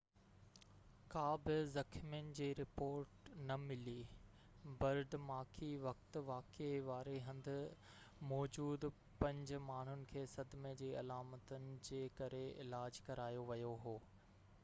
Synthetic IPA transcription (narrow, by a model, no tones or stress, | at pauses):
kaːbɪzɐkʰmin̆d͡ʑiːɾɪpoːɾʈnɐmɪli | bɐɾɖmaːkʰiʋɐkt̪ʋaːkeʋaːɾeɦɐ̃nd̪ʱʊ̆ | mɔːd͡ʑuːd̪ | pɐ̃ɲd͡ʑ̆maːɳ̤ʊnɪ̆kʰeːsɐd̪mẽd͡ʑiːɐlaːmət̪ənɪ̆d͡ʑeːkɐɾeɪ̰laːd͡ʑkɐɾaːjoʋɐjoɦoː